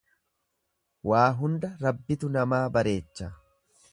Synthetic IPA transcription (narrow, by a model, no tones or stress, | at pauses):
waːɦʊnd̪ɐɾɐbːɪt̪ʊnɐmaːbɐɾe̞ːt͡ʃːɐ